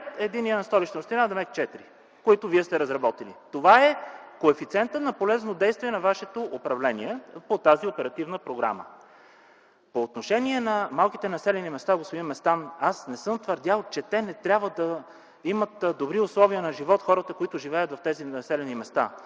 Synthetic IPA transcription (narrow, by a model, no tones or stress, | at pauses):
t̪ɛd̪iniənɐst̪ɔlit͡ʃnst̪inad̪ɛmɛt̪̚t͡ʃɛt̪iɾi | koit̪ʊviɛst̪ɛɾɐzɾɐbɔt̪ilḭt̪ovaɛkoɛfit̪siɛnt̪ət̪nɐpolɛznod̪ɛjst̪vʲiɛnɐvaʃɛt̪oʔopɾɐvlɛniɛpot̪aziopɛɾɐt̪ivnəpɾoɡɾa̰mə̰ | poːt̪noʃɛniɛnɐmalˠkit̪ɛnɐsɛlɛnimɛst̪aɡosoimɛst̪anasnɛsɤmt̪vəɾd̪ʲalˠt͡ʃɛt̪ɛnɛt̪ɾʲabvəd̪ɐ | imət̪d̪obɾiʊslˠɔviənɐʒivɔt̪xɔɾət̪əkoit̪ʊʒivɛjət̪vɐft̪ɛziɐsɛlɛnimɛst̪a̰